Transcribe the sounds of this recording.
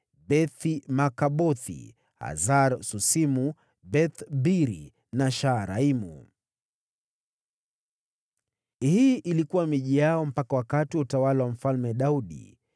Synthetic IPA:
bɛθimakaɓɔθḭ | ha̰zaɾsusimu | bɛθbiɾḭ | naʃaɾaimṵ | hiʔilikuwamiʄijaɔm̩pakawakatiwutawalawam̩falmɛɗauɗḭ

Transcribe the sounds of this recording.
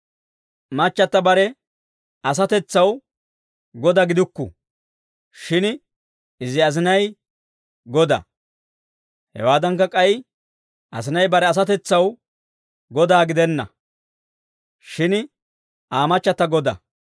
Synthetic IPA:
mɐt͡ʃːɐt̪ːɐbɐɾɛ | ɐs̬ɐt̪ɛt͡sːɐw | ɡɔd̪ɐɡɪd̪ʊkːʊ̰ | ʃɪn | ɪzɪɐzɪnɐj | ɡɔd̪ɐ̰ | hɛ̰waːd̪ɐŋkːɐkʼɐj | ʔɐ̰sɪnɐjbɐɾɛɐs̬ɐt̪ɛt͡sːɐw | ɡɔd̪aːɡɪd̪ɛnːɐ̰ | ʃɪn | ʔaːmɐt͡ʃːɐt̪ːɐɡɔd̪ɐ̰

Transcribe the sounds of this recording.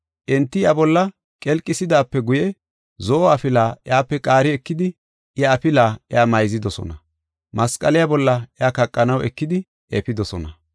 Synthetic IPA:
ʔɛnt̪ːɪabɔlːɐ | kʼɛlkʼːɪsɪd̪aːpːɛɡʊjɛ | zoːɐfɪlaːʔɪjaːpːɛkʼaːɾɪɛkːɪd̪ɪ | ʔjaːpɪlaːʔɪaːmɐjzɪd̪ɔsɔ̰nɐ | mɐskʼɐlɪjabɔlːɐʔɪaːkɐkʼːɐnɐwɛkːɪd̪ɪ | ʔɛ̰pɪd̪ɔsɔnɐ

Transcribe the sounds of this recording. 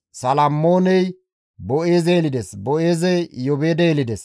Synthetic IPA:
sɐlɐmːoːnɛj | bɔʔe̞ːzeːlɪd̪ɛsbɔʔeːzɛjjɔbeːd̪ɛːlɪd̪ɛs

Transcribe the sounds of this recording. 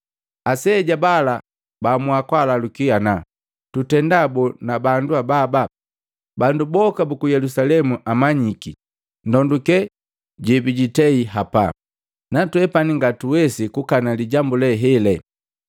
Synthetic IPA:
asɛɟabala | bamuakwalalukiana | tutɛndabɔnabanduababa | bandubɔkabukujɛlusalɛmuʔamaɲiki | ndɔndukɛ | ɟɛbiɟitɛiɦapa̰ | natwɛpaniŋɡatuwɛsikukanaliɟambulɛɦɛlɛ

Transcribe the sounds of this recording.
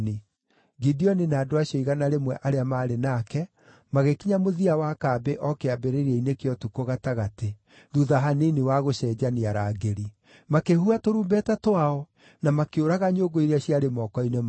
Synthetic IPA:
ni | ɡidiɔninaːdoaɕjɔiɣanaɾemwɛʔaɾeamaːɾenakɛ | maɣekiɲamoðiawakaːbeʔɔkeabeɾeɾiɛinekeɔtukoɣataɣate | ðuðaɦaneniwaɣoɕɛːd͡ʑaniaɾaːɡeɾi | makehuatoɾuːmbɛtatwaɔ | namakeoɾaɣaɲoːɡoiɾeaɕiaɾemɔkɔinem

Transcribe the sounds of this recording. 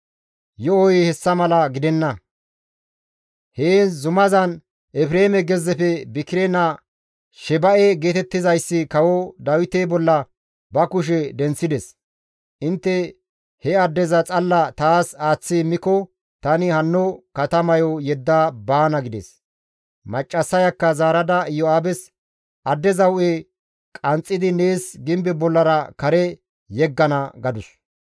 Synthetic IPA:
jɔɔjhɛsːɐmɐlɐɡɪd̪ɛnːɐ | heːzʊmɐzɐn | ʔɛfɾeːmɛɡɛzːɛpɛbɪkːɪɾɛnɐ | ʃɛbɐʔɛɡe̞ːt̪ɛt̪ːɪzɐjsːɪkɐwɔd̪ɐwɪt̪ebɔlːɐ | bɐkʊʃ̬ɛd̪ɛnt͡sːɪd̪ɛs | ʔɪnt̪ːɛ | hɛɐd̪ːɛzɐt͡sʼɐlːɐt̪aːsaːt͡sːɪmːɪkɔ | t̪ɐnɪhɐnːɔkɐt̪ɐmɐjɔjɛd̪ːaːbaːnɐɡɪd̪ɛ̰s | mɐt͡ʃʼːɐsːɐjɐkːɐzaːɾɐd̪ɐjɔaːbɛs | ʔɐd̪ːɛzɐwʊʔe | kʼɐnt͡sʼːɪd̪ɪne̞ːsɡɪmbɛbɔlːɐɾɐkɐɾɛ | jɛɡːɐnɐɡɐd̪ʊs

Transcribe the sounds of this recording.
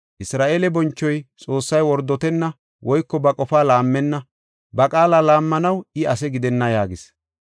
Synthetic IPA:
ʔɪsɾaːʔeːlɛbɔnt͡ʃːɔjt͡sʼo̞ːsːɐjwɔɾd̪ːɔt̪ɛnːɐ | wʔɔjkːɔbɐkʼɔfaːlaːmːɛnːɐ | bɐkʼaːlaːlaːmːɐnɐwɪɐsɛɡɪd̪ɛnːɐjaːɡɪs

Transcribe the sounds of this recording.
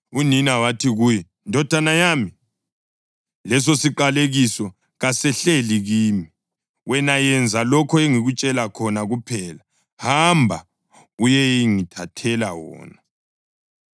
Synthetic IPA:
uninawatʰiɣuːjɛ | ndʱɔd̥ʱanajaːmi | lɛs̬osiǃaleɣisɔ | ɣasɛɬeliɣiːmi | wɛnajɛnd͡zʱalɔkʰɔeŋiɣut͡ʃʼɛlakʰɔnaɣupʰɛːla | hambʱa̰ | ujɛiŋitʰatʰɛla̰wɔ̰ːna

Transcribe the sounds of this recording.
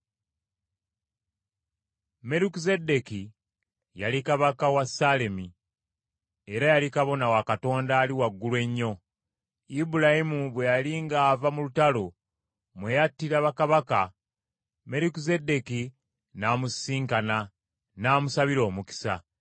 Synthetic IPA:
me̞ɾikize̞de̞ki | jalikaβakawasale̞mi | e̞ɾajalikaβo̞nawakato̞ːndaːliwaɡːulwe̞ɲːo̞ | ibulahimuβwe̞jaliŋɡaːvamulutalo̞ | mwejatːiɾaβakaβaka | me̞ɾikize̞de̞ki | naːmusiːŋkana | naːmusaβiɾo̞ːmuki̥sa̰

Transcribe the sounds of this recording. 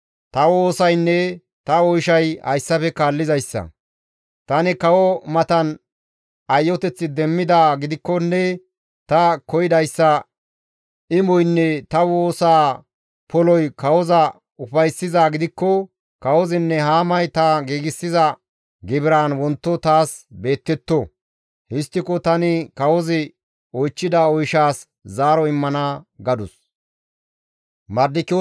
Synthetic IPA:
t̪ɐwoːsɐjnːɛ | t̪ɐɔjʃɐjhɐ̰jsːɐfɛkaːlːɪzɐjsːɐ̰ | t̪ɐnɪkɐwɔmɐt̪ɐn | ɐjːɔt̪ɛt͡sːɪd̪ɛmːɪd̪aːɡɪd̪ɪkːɔnːɛ | t̪ɐkɔjɪd̪ɐjsːɐ | ʔɪmɔjnːɛt̪ɐwoːsaː | pɔlɔjkɐwɔzɐ | ʊfɐjsːɪzaːɡɪd̪ɪkːɔ | kɐwɔzɪnːɛɦaːmɐjt̪ɐɡiːɡɪsːɪzɐ | ɡɪbɪɾaːnwɔnt̪ːɔt̪aːsbe̞ːt̪ːɛt̪ːɔ | hɪst̪ːɪkɔt̪ɐnɪkɐwɔzɪ | ɔjt͡ʃːɪd̪aɔjʃaːs | zaːɾɔɪmːɐnɐɡɐd̪ʊs | mɐɾd̪ɪkːɪ

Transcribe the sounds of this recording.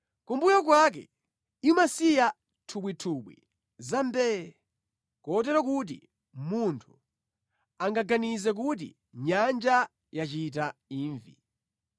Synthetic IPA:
kumbujɔk̬wak̬ɛ̰ | imasija | tʰuɓwitʰuɓwḭ | zambɛːɛ | kɔt̬ɛɾɔkut̬ḭ | muntʰu̥ | aŋɡaɡanizɛk̬ut̬ḭ | ɲand͡ʒa | jat͡ʃit̬aiːɱvḭ

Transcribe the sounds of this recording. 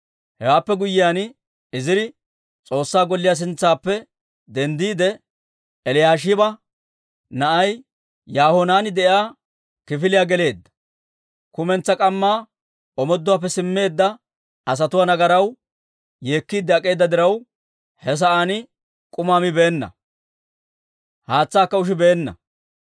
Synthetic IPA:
hɛwaːpːɛɡʊjːɪjaːn | ɪzɪɾɪ | t͡sʼo̞ːsːaːɡɔlːɪjaːs̬ɪnt͡sːaːpːɛ | d̪ɛnd̪iːd̪ɛ | ɛlɪjaːʃ̬ɪbɐ | nɐʔɐj | jaːhɔnaːnɪd̪ɛjaː | kɪfɪlɪjaːɡɛle̞ːd̪ːɐ̥ | kʊmɛnt͡sːɐkʼɐmːaː | ɔmɔd̪ːʊwaːp̬ːɛsɪmːe̞ːd̪ːɐ | ɐs̬ɐt̪ʊwaːnɐɡɐɾɐw | jeːkːiːd̪ɛɐkʼe̞ːd̪ːɐd̪ɪɾɐw | hɛs̬ɐʔaːnɪ | kʼʊmaːmɪbe̞ːnːɐ̰ | haːt͡sːaːkːɐʊʃ̬ɪbe̞ːnːɐ̰

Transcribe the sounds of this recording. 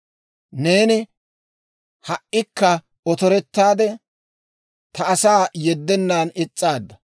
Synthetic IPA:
ne̞ːnɪ | hɐʔɪkːɐ | ɔt̪ɔɾɛt̪ːaːd̪ɛ | t̪ɐːsaːjɛd̪ːɛnːaːnɪt͡sʼːaːd̪ːɐ

